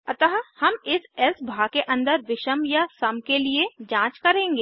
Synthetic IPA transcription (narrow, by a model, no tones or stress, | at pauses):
ɐt̪əɦhɐmɪsɛsbʱakeʔɐ̃nd̪əɾʋɪʃəmjasɐmkelied͡ʒãːt͡ʃkɐɾẽːŋɡeː